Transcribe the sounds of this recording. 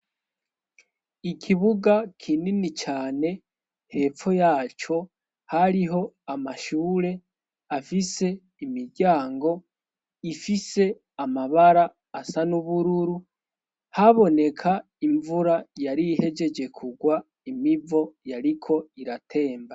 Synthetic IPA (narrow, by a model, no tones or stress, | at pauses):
ikʰiβuɡakʰininit͡ʃaːne̞ | he̞ːfo̞jaːt͡ʃo̞ | haɾiɦo̞amaʃuːɾe̞ | afise̞ | imiɟaːŋɡo̞ | ifise̞ | amaβaɾaː | sanuβuɾuɾu | haβo̞ne̞kʰa | iɱvuɾajaɾihe̞d͡ʒe̞d͡ʒe̞kʰuɡwa | imivo̞jaɾikʰo̞iɾatʰe̞ːmba